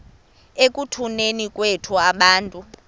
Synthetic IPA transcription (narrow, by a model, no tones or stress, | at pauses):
ek̬ʼutʰunenikʼwetʰuaɓaːntʼu